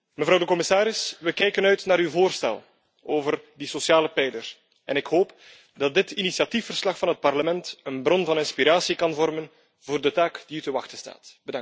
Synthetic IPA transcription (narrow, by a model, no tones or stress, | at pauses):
məvɾɑwdəkɔmɪsaːɾɪsʋəkɛjkənœɥtnaːɾywvoːrstɛ̰lˠ | oːvərdisosjaːləpɛjdər | ɛ̰nɪkɦoːp | dɑt̚dɪtinisjɑtifərslɑxfɑnɦət̚pɑrləmɛntənbɾɔnvɑnɪnspiɾaːsikɑnvɔrmən | voːrdətaːkd̥iytəʋɑxtəsta̰ːtb̥ədɑŋ